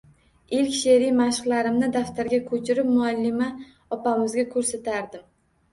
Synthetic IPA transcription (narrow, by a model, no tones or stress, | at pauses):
ɪlkʲʃeɾijmaʃqlˠaɾɪmnɪd̪aft̪ʰaɾɡʲakʰɵt͡ʃʰɪɾɪpmʊalːɪma | ɒpamɪzɡʲakʰɵɾsat̪ʰaɾd̪ɪm